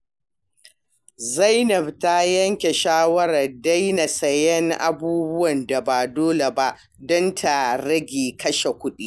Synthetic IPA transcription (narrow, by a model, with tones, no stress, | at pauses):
zɐ˦jnɐ˨bta˦jɐ˦ŋkʲe˨ʃaː˦wɐ˦ɾɐ˨rda˦jna˨sɐ˨jɛ˦ŋʔa̰˦buː˦bʊ˦wɐ˨nda˨ba˨doː˦le˨ba˦ʔ | dɔ˦ntʰa˨ɾɐ˦ɡʲiː˨kɐ˦ʃe˨kʷʊ˦ɗiː˦